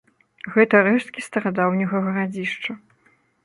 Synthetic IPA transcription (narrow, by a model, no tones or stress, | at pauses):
ɣɛt̪ɐɾɛʂt̪̚kʲist̪ɐɾad̪awnʲɐɣɐɣɐɾad͡zʲiʂt͡ʂɐ